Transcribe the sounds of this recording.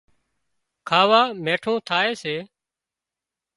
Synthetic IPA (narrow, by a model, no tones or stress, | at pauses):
kʰaːʋaːmeːʈʰõːt̪ʰaːeːseː